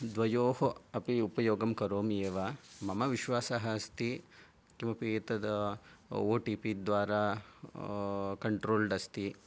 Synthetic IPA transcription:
d̪ʋɐjoːɦoɐpiupɐjoːɡɐmkɐɾoːmjeːʋamɐmɐʋiʃʋaːsɐɦɐst̪i | kimɐpiːt̪ɐd̪ɐ | oːʈiːpid̪ʋaːɾaː | kɐɳʈɾoːlɖɐst̪i

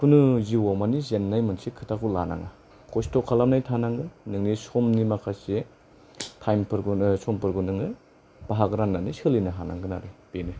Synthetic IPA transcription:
kʰunɯziwamanizenːajmɯnsikʰɯtʰakula̰na̰ŋa | kʰɔstɔkʰalamnajtʰanaŋɯnɯŋnisɔmnimakʰase | tʰajmpɯɾɡɯsɔmpɯɾɡɯnɯŋɯ | b̥aɦakɾanːanisɯlinaɦana̰ŋɡɯna̰ɾibeni

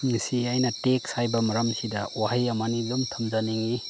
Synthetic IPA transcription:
ŋisiajnɐtek̚sajbɐmɐɾɐmsidɐwaɦajɐmanilumtʰɐmzaniŋi

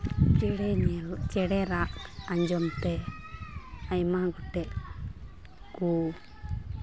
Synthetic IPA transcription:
t͡ʃɽɛɲɛlt͡ʃɛɽɛɾaʔaɲd͡ʒɔmt̪ɛ | ajmaɡɔʈɛʔ | ku

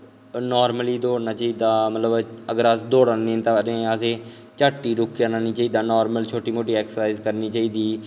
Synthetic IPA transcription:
nɔːɾməliːd̪oːɽnaːt͡ʃaːiːd̪aːmət̪ləbəɡəɾəsd̪oːɽanĩːnt̪aːɾẽːəsẽː | t͡ʃaːʈːiːɾʊkjaːnaːniːt͡ʃaːiːd̪aːnɔːɾməlt͡ʃʰoːʈiːmoːʈiːɛːksəsaːɪzkəɾniːt͡ʃaːiːd̪iː

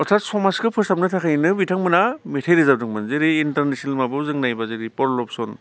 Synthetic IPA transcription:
ɔtʰatsɔmaskɯpʰɯsap̚nɯtʰakʰajnɯbitʰaŋmɯnametʰejɾizab̚dɯŋmanzeɾiːntaɾnesnalmabɯwzɯŋnajbazeɾipɔɾlɔpsɔn

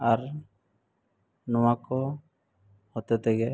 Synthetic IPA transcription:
aɾ | nɔwakɔ | hɔt̪ɛt̪ɛɡɛ

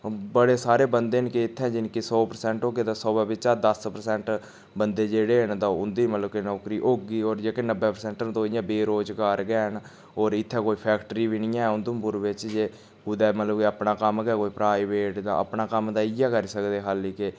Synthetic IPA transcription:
bəɽeːsaːɾeːbənd̪eːnkeɪt̪ʰːɛ̃ːd͡ʒɪnkisɔːpəɾsɛ̃ːɳʈɦoːɡeːd̪ãːsɔːbɛːbɪt͡ʃaːd̪əspəɾsɛːɳʈ | bənd̪eːd͡ʒeːɽeːɦənd̪ãːʊnd̪iːmət̪ləbkenɔːkɾiːʔoːɡiːoːɾd͡ʒeːkenəbːɛːpəɾsɛ̃ːɳʈənt̪õːɪjãːbeːɾoːd͡ʒɡaːɾɡɛːɦən | ɔːɾɪt̪ʰːɛ̃ːkoːiːpʰɛːkʈɾiːʋɪnɪjãːɛːʊnd̪ompʊɾʋɪt͡ʃd͡ʒeː | kud̪ɛːmət̪ləbkiəpnaːkəmɡɛːkoːiːpɾaːɪʋeːʈd̪ã̰ːə̰pnaːkəmd̪aːɪjaːkəɾiːsəkd̪eːɦaːliːkɪ

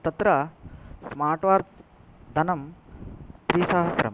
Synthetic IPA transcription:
t̪ɐt̪ɾɐsmaːɾʈʋaːɾs | d̪ʱɐnɐm | t̪ɾiːsɐɦɐsɾɐ̰m

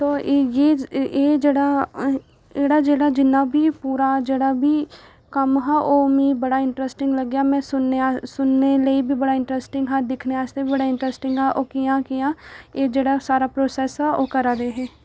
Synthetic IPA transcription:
t̪oːjeed͡ʒeːɽa | eːɽad͡ʒeːɽad͡ʒɪnːabʱipuːɾad͡ʒeːɽabʱi | kɐmɦɛʔomĩbɐɽaɪ̃ɳʈɾəsʈɪ̃ŋɡlɐɡjamɛ̃sʊnːeasʊnːeləibʱibɐɽaɪ̃ɳʈɾɛsʈɪ̃ŋɡɦɛd̪ɪkʰneaːst̪ebibɐɽaɪ̃ɳʈɾɛsʈɪ̃ŋɡɦɛʔoːkijãkijãeːd͡ʒeːɽasaːɾapɾoːsɛːsɦɛoːkɐɾad̪eɦɛ̃ː

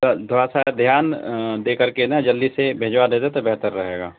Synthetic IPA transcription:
d̪ʱoɾasad̪ʱjaːnd̪eːkəɾkenad͡ʒəlːisebʱeːd͡ʒwad̪eːt̪et̪obɛɦt̪əɾːəɦeːɡa̰ː

